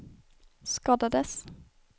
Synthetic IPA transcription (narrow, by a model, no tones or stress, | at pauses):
skɑːd̪ad̪əs